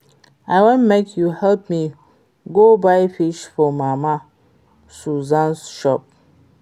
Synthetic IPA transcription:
aɪwõnmekʰjuhɛlp̚mi | ɡobaɪfiʃfɔmama | suzãnsʃɔp̚

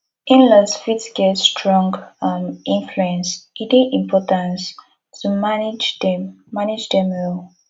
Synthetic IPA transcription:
ʔĩnləsfitsɡ̥ɛtstʰɹɔ̃ŋɡmʔĩnfluɛ̃nsitiʔĩmpʰɔtãns | tʰumand͡ʒdɛmː | anid͡ʒdɛ̃mɹɔ

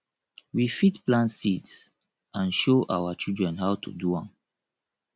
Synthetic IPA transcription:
wifitplãnsits | ãnʃoʔawat͡ʃildɹɛ̃nhawtʰṵduãm

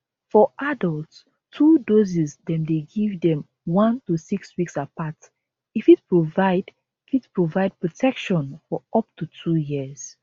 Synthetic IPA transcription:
fɔʔadɔlˠts | tʰudozizdɛ̃mdeɡivdɛ̃m | wãntusikswiksapat | ifit̚pɹovaɪd | itpɹovaɪd̚pʰɹɔtʰɛkʃɔ̃nfɔʔɔp̚tutʰujiz̥

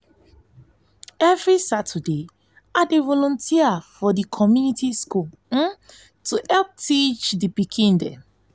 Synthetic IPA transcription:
ɛvɹisatʰəde | adevɔlɔ̃ntʰiafɔdikʰɔmjunitiskul̩ | tuhɛlp̚tit͡ʃdibikʰĩndɛ̰̃

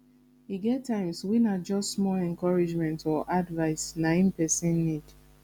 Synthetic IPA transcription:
hiɡɛttːãɪ̃mswinad͡ʒɔstːmɔlɛ̃ŋkɔɹid͡ʒmɛ̃ntɔʔadvaɪsnãĩnpɛsɛ̃nnid̥

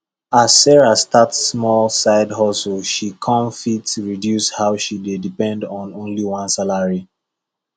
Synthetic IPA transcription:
asːɛɹastatsːmɔlsaɪdɦɔslʃikʰɔ̃mfitɹidjushaʊʃidedipɛ̃ndɔ̃nõnliwãnsalaɹi

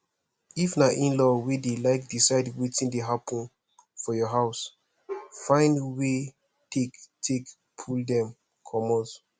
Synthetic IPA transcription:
ifnaʔĩnlɔwedelaɪk̚disaɪdwitĩndeɦapʰɔ̃n | fɔjɔɦaʊs | fãɪ̃ndwe | tʰektʰek | pʰuldɛ̃m | kʰɔmɔ̃z

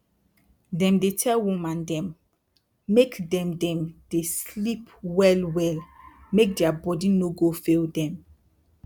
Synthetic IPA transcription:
dɛ̃mdetʰɛlwumãndɛ̃mː | ekdɛ̃mdɛ̃md̥eslipwɛlwɛlmek̚dɛabɔdinoɡofeldɛ̃m

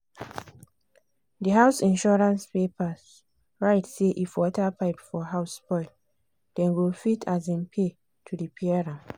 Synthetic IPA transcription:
diɦaʊsĩnʃɔɹãnspepas | ɹaɪtseʔifwɔtapaɪpfɔɦaʊspɔɪl | d̥ɛ̃nɡilfitʰazĩnpʰe | tʰudipʰiaɹã

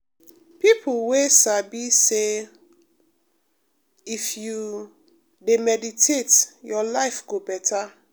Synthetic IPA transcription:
pipʰuwesabise | ifju | demɛditʰetjɔlaɪfɡobɛtʰa

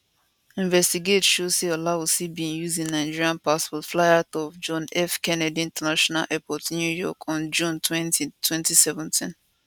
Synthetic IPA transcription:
ĩɱvɛstiɡetʃoseɔlawosibiĩŋjuzĩnaɪd͡ʒiɹiãnpaspɔtflaɪatɔfd͡ʒɔ̃nɛfkɛnɛdiĩntɛnaʃɔna̰lʔɛpɔtnjujɔ̰kʰɔ̃nd͡ʒũntʰwɛ̃ntitʰwɛ̃ntisɛvɛ̃ntʰĩn

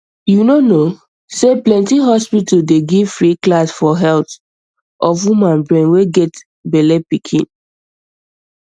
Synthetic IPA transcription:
junono | seplɛ̃ntiɦɔspitldeɡivfɹiklasfɔɦɛlt | ʔɔfwumãnbɹɛ̃nweɡɛt | bɛlepikʰḭ̃n

